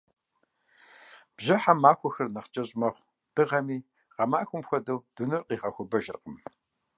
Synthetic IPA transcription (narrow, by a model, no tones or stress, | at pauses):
b̥ʑɐħamaːxʷɔxɐrnɐχt͡ʃʼɐɕʼmɐʁʷ | d̥ɨʁɐmiː | ʁɐmaːxʷʊmxʷɐdɐwd̥unɨrqʼiːʁɐxʷʊbɐʒɪrqəm